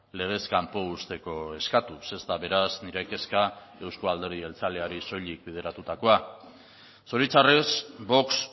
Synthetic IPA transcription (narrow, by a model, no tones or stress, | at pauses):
le̞ɣ̞e̞skampo̞ust̪e̞ko̞e̞skat̪use̞zt̪aβe̞ɾazniɾeke̞ska | e̞wskoald̪e̞ɾðie̞lt͡sale̞aɾiso̞ʎik̚bið̞e̞ɾat̪ut̪ako̞a | so̞ɾit͡saresbo̞ks